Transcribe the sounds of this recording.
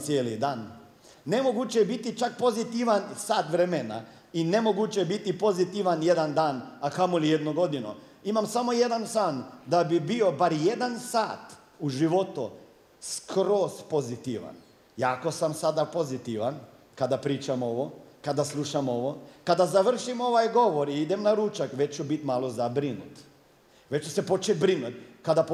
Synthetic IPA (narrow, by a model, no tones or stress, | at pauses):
t̪sjeːlid̪aːnː | emoɡut͡ʃɛbit̪it͡ʃak̚po̞zit̪iʋansaːt̪ʋɾemena̰ | inemoɡut͡ʃɛbit̪ipo̞zit̪iʋanjed̪and̪aːnakamolijed̪noɡo̞d̪ino̰ | imamsamojed̪ansand̪abibio̞baɾjed̪ansaːt̪ | uʒiʋot̪u | skɾoːspozit̪iʋa̰n | jaːkosamsad̪apo̞zit̪iʋan | kad̪apɾiːt͡ʃamo̞ʋokad̪aslˠuʃamo̞ʋokad̪azaʋr̩ʃimo̞ʋajɡo̞ʋoɾiid̪emnaɾuːt͡ʃakʋet͡ʃubit̪malˠozabɾinut̪ | ʋet͡ʃusepo̞t͡ʃebɾinut̪kad̪ap